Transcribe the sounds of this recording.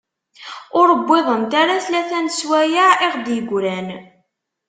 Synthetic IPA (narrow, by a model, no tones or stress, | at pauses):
ʊɾəbːeðˤənt̪aɾaθlæθænswæjaʕɪʁd̪jəɡʷɾæn